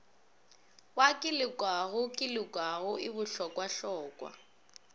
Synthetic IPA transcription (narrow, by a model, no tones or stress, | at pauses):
wakʼɪlɪkʼwaɣʊkʼɪlɪkʼwaɣʊɪbʊɬɔkʼwaɬɔːkʼwa̰